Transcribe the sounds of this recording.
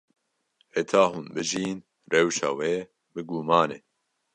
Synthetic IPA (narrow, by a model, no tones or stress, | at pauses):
et̪ʰaːɦuːnbɨʒiːn | rɛwʃa̰ːweː | bɨɡuːmaːneː